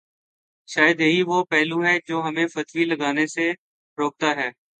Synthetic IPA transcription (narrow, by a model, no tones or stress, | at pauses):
ʃaːjəd̪jəɦiʋopɛːluɦɛd͡ʒoːɦɐmẽfɐt̪wiləɡaːnese | ɾoːk̚t̪aɦɛː